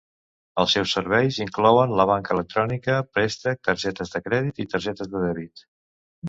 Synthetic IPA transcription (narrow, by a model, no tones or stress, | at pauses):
əlˠsɛwsːəɾβɛjziŋklɔwənləβ̞aŋkəːlək̚t̪ɾɔnikəpɾɛst̪ək̚t̪əɾʒɛt̪əzðəkɾɛðit̪it̪əɾʒɛt̪əzðəðɛβit̪